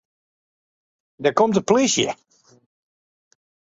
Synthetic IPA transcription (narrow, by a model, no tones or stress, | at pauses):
dəɹkomtəplisjə̰